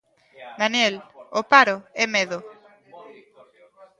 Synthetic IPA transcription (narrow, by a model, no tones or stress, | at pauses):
d̪anjelopaɾoɛmeðo